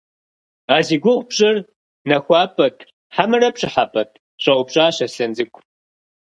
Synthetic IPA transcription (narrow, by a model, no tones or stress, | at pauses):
aːziːɡʷʊʁʷbɕʼɨr | nɐxʷɑːpʼɐtʰʼ | ħamɨrɐpɕʼɨħapʰʼɐt̚ʰʼ | ɕʷʼɐwʷʊpɕʼaːɕɐsɐnd͡zɨkʷʼʰ